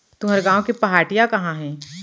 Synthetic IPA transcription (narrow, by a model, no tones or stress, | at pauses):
t̪ʊɦɐɾɡãːõkepɐɦaːʈijakɐɦãɦɛ̃ː